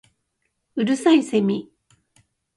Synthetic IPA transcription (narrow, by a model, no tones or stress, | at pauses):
ɯɾɯ̟saisemʲi